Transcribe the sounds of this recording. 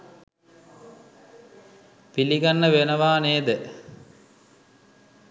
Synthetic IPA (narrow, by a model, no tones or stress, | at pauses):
piliɡanːəʋenəʋaːneːd̪ə